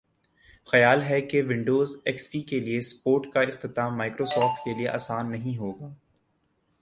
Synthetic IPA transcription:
xɐjaːlɦɛkeʋɪ̃ɳɖoːzɛkspiːkeliespoːɾʈkaɪxt̪ɪt̪aːmaːɪkɾoːsɔːɾfʈkelieʔa̰ːsaːnːɐɦĩɦoːɡaː

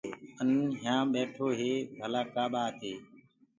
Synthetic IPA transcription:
ənɦjãːɓeːʈʰoːɦeːbʱəlaːkaːɓaːt̪ʰeː

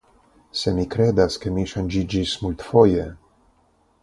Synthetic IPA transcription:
se̞mikɾe̞d̪aske̞miʃand͡ʒid͡ʒismult̪fo̞je

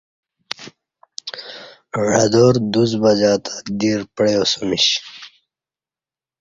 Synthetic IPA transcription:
ɽad̪oːɾd̪uzbad͡ʑaːt̪ʰḁd̪iːɾpɽeosumiɕ

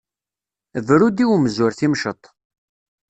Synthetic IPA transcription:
vɾud̪iwməzʊɾθimʃət̪ˤ

